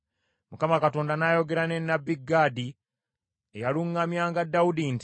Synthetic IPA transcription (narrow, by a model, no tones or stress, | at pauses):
mukamakato̞ːndanaːjo̞ɡe̞ɾane̞nːabːiɡaːdi | ejaluŋɡamjaːŋɡadːawudinti